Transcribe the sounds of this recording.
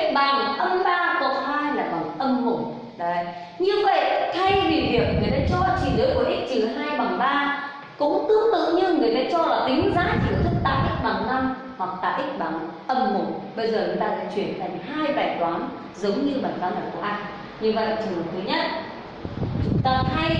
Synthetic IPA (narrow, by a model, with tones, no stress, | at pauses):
k̚ɓaː˧˩˨ʔə˧mɓaː˧kɔ˨˦haː˧jlaː˨˩kɔ˨˦m˨˩tʔə˧mɦʊ˨˧˩ŋ͡m | ɗə˨ | ɲɨ˧və̰˧˨jʔt̪ʰa˧jvi˨˩vi˨˩əw̚ŋɨ˨˩əjt̪aː˧˥t͡ɕɔ˧t͡ɕi˨˩zɨ˨˦ku˨˧˦ʔi˦˥t̚t͡ɕɨ˨˩ɦaː˧jɓaː˨˩ŋɓaː˧ | kʊ̰˧˥ŋ͡mt̪ɨ˧˦əŋt̪ɨ̰˧˨ɲɨ˧ŋɨ˨˩əjt̪a̰ː˧˦t͡ɕɔ˧laː˨˩t̪ï˨˦ŋ̟zaː˨˦t͡ɕi˨˧˩ə˨˩t̪ʰɨ˦˥k̚t̪a̰ː˧˨jʔi˦˥k̚ɓaː˨˩ŋʔa˧m | hwa˨˩k̚t̪a̰ː˧˨jʔi˦˥k̟̚ɓaː˨˩ŋʔə˧mhʊ˨˩ŋ͡mɓə˧jzəː˨˩nɨ˨˦ɗ̪a̰ː˧˩laː˨˧˩t͡ɕwi˧˩ənka˨˧˩ŋhaː˧jɓaː˨˩jɗwaː˨˦n | zə˨˦wŋ͡mɲɨ˧ɓaː˨˩kaː˧˩na˨˩ku˧˩əʔaː˧n | ɲɨ˧və̰˧˨ʔa˨˩t͡ɕɨ˨˩˨t̪ʰɨː˨˦ɲə˦˥t̚ | t̪ə˨˩t̚haː˧j